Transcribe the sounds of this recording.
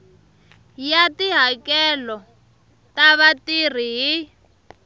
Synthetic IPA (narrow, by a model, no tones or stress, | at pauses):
jatiɦakɛlɔ | taβatir̤iɦi